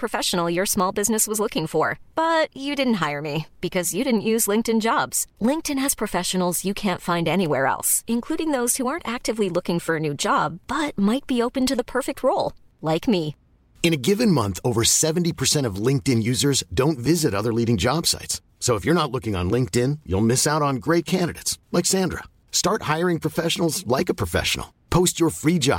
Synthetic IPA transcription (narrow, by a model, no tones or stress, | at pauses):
pʰɹ̥ɨfɛʃn̩l̩ˠjə˞smɔlˠbɪznɨswʌzlʊkɪ̃ŋfə˞b̥ʌt͡ʃɨdɪdⁿn̩t̚ɦaɪə˞mib̥ɨkʰʌzjɨɾɪdⁿn̩ʔjʉzlɪ̃ŋktɨ̃nd͡ʒɑbz̥lɪ̃ŋk̚tɨ̃nɨz̥pʰɹ̥ɨfɛʃɨn̩l̩ˠzjɨkʰæ̃ntfãɪ̃ndɛñiwɛɹɛ̰lˠsɨ̃nkʰl̥uɾɪ̃ŋðoʊz̥huɑɹntæk̚tɨvlilʊkɪ̃ŋfə˞ɨnʉd͡ʒɑb̥ʌt̚maɪt̚b̥ioʊpɨ̃ntɨðəpʰɜ˞fɨk̚t̚ʰɹoʊlˠ | laɪkmi | ɨ̃ñɨɡɪvɨ̃nmʌ̰̃nθoʊvə˞sɛṽn̩tipʰə˞sɛ̃ɾ̃ʌvlɪ̃ŋk̚tɪ̃njʉzə˞zdõʊ̃ntvɪzɨɾʌðə˞liɾɪ̃ŋd͡ʒɑb̥sa̰ɪtsː | oʊəfjə˞nətˡlʊkɪ̃ŋə̰̃nlɪ̃ŋk̚tɪ̃njṵlˠmɪsaʊɾn̩ɡɹeɪt̚kʰæ̃ndɨɾḛɪtslaɪksæ̃ndɹə̰ | stɑɹt̚haɪə˞ɪ̃ŋpʰɹ̥ɨfɛʃnl̩ˠzlaɪkɨpʰɹ̥ɨfɛ̰ʃə̰n̩l̩ˠ | pʰoʊst͡ʃə˞fɹid͡ʒɑ̰